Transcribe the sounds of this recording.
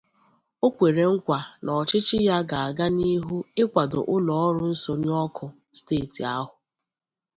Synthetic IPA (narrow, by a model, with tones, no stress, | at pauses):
o˦kʷe˨ɾe˨ŋ̩˦kʷa˨nɔ˨t͡ʃɪ˦t͡ʃɪ˦ja˦ɡa˨a˨ɡa˦ni˦ɦu˦ɪ˦kʷa˨do̰˨ʔʊ˦lɔ˨ɔ˦ɾʊ˦n̩˦so˨ɲ˦ɔ˦kʰʊ˨ | steː˦˨ti˨a˦ɦʊ˨